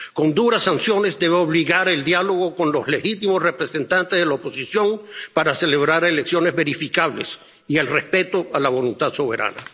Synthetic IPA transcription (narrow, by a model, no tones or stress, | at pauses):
ko̞nd̪uɾasːansjo̞ne̞zd̪e̞βeoβliɣaɾe̞ld̪jalo̞ɣ̞o̞ko̞nlo̞zle̞xit̪imosre̞pɾese̞nt̪ant̪ezðelaopo̞sisjo̞ŋpaɾase̞le̞βɾaɾeleksjo̞ne̞zβe̞ɾifikaβle̞̰s | ielrespe̞t̪o̞alaβo̞lunt̪ad̪so̞β̞e̞ɾa̰na̰